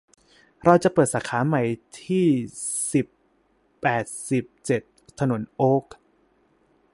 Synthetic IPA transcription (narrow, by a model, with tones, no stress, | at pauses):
ɾa˧wt͡ɕa˨˩ʔpɤː˨˩t̪̚saː˩˦kʰaː˩˦ma˨˩jt̪ʰiː˥˩si˨˩pː | ɛː˨˩t̪̚si˨˩p̚t͡ɕe˨˩t̪ʰːa˧no˩˦nʔoː˦˥k̚